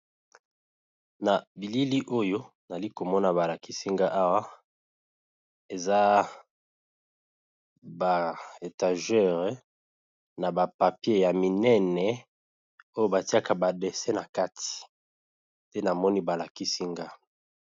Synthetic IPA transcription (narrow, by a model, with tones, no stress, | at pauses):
na˨bi˨li˦li˦ʔo˦jo˦ | na˨li˦ko˨mɔ˦na˨βa˨la˨ki˦si˦ŋɡa˦ʔa˦wa˦ | e˨za˦ | ba˨e˨ta˨ʒɛ˦˨ʁɛ˨ | na˨ba˨pa˨pje˦ja˨mi˨nɛ˦nɛ˨ | o˦jo˦ba˨ti˦a˦ka˨ba˨de˨sɛ˦na˨ka˦tʰi̥˨ | de˦na˨mɔ˦ni˦ba˨la˨ki˦si˦ŋɡa˦